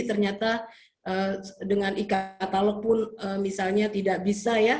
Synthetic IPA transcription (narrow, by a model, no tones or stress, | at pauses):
t̪ərɲat̪a | ʔəːdəŋanikat̪alɔk̚pʊnəmisalɲat̪idaʔbisaja